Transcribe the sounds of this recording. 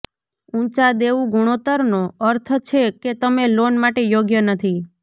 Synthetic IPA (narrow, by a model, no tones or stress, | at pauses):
ũt͡ʃad̪eʋũɡuɽ̃ot̪əɾnoəɾt̪ʰt͡ʃʰeket̪əmelonmaʈejoɡjənət̪ʰi